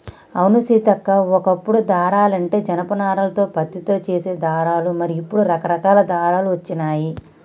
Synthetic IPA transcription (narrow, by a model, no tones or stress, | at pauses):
ɐwnusiːt̪ɐkːaɔkɐpːuɽud̪aːɾaːlɐɳʈe̞ːd͡ʒɐnɐpɐnaːɾɐlɐt̪o̞ːpɐt̪ːit̪o̞ːt͡ʃeːse̞ːd̪aːɾaːlumɐɾiːpːuɽuɾɐkɐɾɐkaːlɐd̪aːɾaːluʋɐt͡ʃːinaːji